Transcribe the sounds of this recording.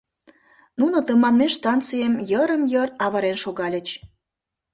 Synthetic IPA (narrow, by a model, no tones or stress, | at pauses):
nunot̪əmɑnmeʃt̪ɑnt͡sijəmjəɾəmjərɑβɑɾenʃoɣɑlʲə̆t͡ɕ